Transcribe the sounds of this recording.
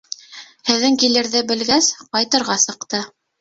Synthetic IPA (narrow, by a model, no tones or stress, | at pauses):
hɘ̆ðːɘŋkilɘ̆ɾðɘbɘ̆lɡæsqɑjt̪ɤ̆ɾʁɑsɤ̆qt̪ɤ